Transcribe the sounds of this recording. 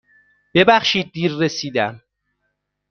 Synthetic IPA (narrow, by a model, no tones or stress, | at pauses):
b̥e̞bæxʃiːd̪̚ːiːɾːe̞siːd̪æm